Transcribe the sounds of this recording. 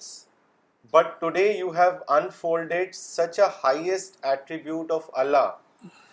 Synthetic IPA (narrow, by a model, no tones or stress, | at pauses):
bʌʈːuɖeːjuːɦæʋə̃nfoːlɖeɖsʌt͡ʃəhaɪesʈæʈɾɪbjuːʈɔʋɐ̰lːaː